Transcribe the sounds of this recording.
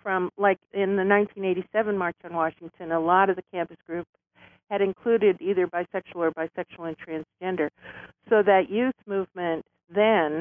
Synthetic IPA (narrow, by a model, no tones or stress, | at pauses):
fɹʌ̃mlaɪkɪ̃nðɨnãɪ̃ntʰĩneɪɾisɛvɨ̃nmɑɹt͡ʃn̩wɑʃɪ̃ŋtʰɨ̃nəlɔɾʌvðɨkʰæ̃mpɨsɡ̥ɹʉps | ɨɾɨ̃nkʰl̥ʉɾɪɾiðə˞baɪsɛkʃwl̩ˠə˞baɪsɛkʃl̩ˠɨ̃ntʰɹ̥æ̃nz̥d͡ʒɛ̃ndə˞soʊðɨʔjʉθmʉvmɨ̃n | ðɨ̃n